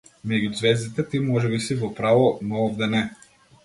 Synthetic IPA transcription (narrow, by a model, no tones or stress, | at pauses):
mɛɡʲuzvɛzd̪it̪ɛt̪imɔʒɛbisivɔpɾavɔnɔɔvd̪ɛnɛ